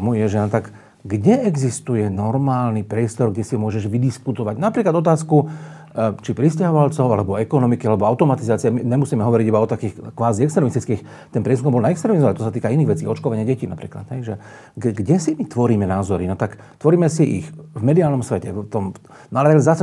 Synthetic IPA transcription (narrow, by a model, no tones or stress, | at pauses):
mujɛʒɛnɔt̪aɡ | ɡɟɛɛɡzist̪ujɛnɔɾmaːlnipɾɪɛst̪ɔɾɡɟɛsimʊɔʒɛʒʋid̪iskut̪ɔʋaɟnapɾiːklad̪ɔt̪aːsku | t͡ʃipɾiscaɦɔʋalt͡sɔʊa̰lɛbɔɛkɔnɔmikialɛbɔaʊt̪ɔmat̪izaːt͡siamiɲɛmusiːmɛɦɔʋɔɾiɟibaɔt̪akiːxkʋaːziɛkst̪ɾɛmist̪i̥t͡skɛx | t̪ɛnpɾɪɛskɔmbɔlnaɛkst̪ɾɛmizɔaat̪ɔs̬at̪iːkainiːɣʋɛt͡siːɔt͡ʃkɔʋaɲɪaɟɛciːnapɾḭːkla̰d̪ɦɛjʒɛ | ɡɡɟɛsimit̪ʋɔɾiːmɛnaːzɔɾinɔt̪ak | t̪ʋɔɾiːmɛsiʔḭxvmɛd̪iaːlnɔmsʋɛcɛt̪ɔm | nɔalɛazas